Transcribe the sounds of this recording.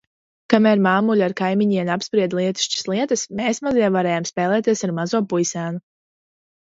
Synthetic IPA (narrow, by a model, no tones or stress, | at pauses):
kamæɾmaːmulʲaɾkajmiɲiɛnapspɾiɛd̪lˠiɛt̪i̥ʃt͡ʃḁslˠiɛt̪ɐsmeːsmaziɛvaɾɛːjaːmspɛːlˠɛːt̪iɛsaɾmazuɔpujsæːnu